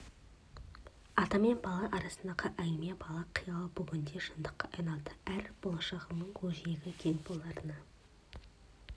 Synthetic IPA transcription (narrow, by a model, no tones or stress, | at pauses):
ɑt̪ɑme̞nbɑlˠɑʔɑɾɑsənd̪ɑqʰɑʔæjme̞bɑlˠɑqʰijɑlˠəbʊɡʲɪnd̪e̞ʃənd̪əqːɑʔɑjnɑlˠd̪əæɾb̥o̞lˠɑʃɑʁənəɴwʰɵʒeɡʲɪkʲʰeŋbolˠːɑɾənɑ